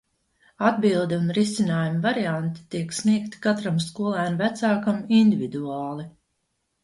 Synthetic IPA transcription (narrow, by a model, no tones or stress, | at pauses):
ad̪̚bilˠd̪ɛunɾisinaːjumvaɾiant̪i̥t̪iɛksnʲiɛk̚t̪i̥kat̪ɾamskuɔlˠæːnvæt̪saːkaminʲd̪ʲivid̪uɑaːlˠi